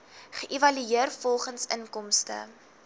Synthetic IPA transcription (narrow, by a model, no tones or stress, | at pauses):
χəʔivɐlyeərfɔlˠχənsəŋkɔmstə̰